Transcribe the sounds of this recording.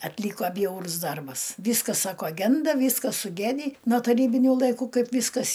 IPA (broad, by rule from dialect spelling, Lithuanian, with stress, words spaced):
ɐtʲˈlʲiːkoː ˈbʲjɛʊrʊs ˈdɐrbɐs ˈʋʲiːskɐs ˈsɑːkoː ˈɡʲɛndɐ ˈʋʲiːskɐs sʊˈɡʲæːdʲiː noː tɐˈrʲiːbʲɪnʲʊ lˠɐɪˈkuː ˈkɐɪp ˈʋʲiːskɐs